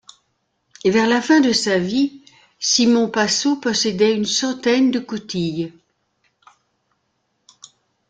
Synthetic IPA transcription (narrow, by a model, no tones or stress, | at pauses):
evɛʁlafɛ̃d̪əsavi | simɔ̃pasopɔsɛd̪ɛynsɑ̃t̪ɛnd̪əkut̪ij